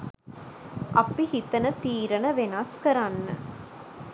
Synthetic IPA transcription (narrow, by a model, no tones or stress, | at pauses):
ʔɐ̰pːihit̪ɐnɐt̪iːɾɐnɐʋenaːskɐɾaːnːɐ̰